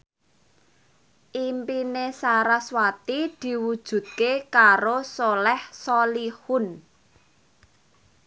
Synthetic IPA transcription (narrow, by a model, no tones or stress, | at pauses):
ʔimpinesaɾaswat̪id̪̥i̤wud̥ʒ̥ṳt̪̚kekaɾosolɛhsɔlihʊn